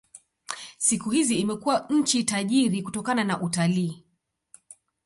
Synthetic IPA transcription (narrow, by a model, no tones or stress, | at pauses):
sikuhiziːmɛkuwaɲ̩t͡ʃitaʄiɾikutɔkananaʔutaliː